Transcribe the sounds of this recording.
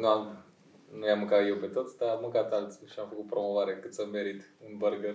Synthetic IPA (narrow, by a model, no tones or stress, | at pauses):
nuam | nujamɨŋkat̪jewpet̪ot̪sʲd̪aammːɨŋkat̪alt̪si̥ʃiamfəkut̪̚pɾomovaɾekɨt̪samːeɾit̪ɨnbərɡəɾ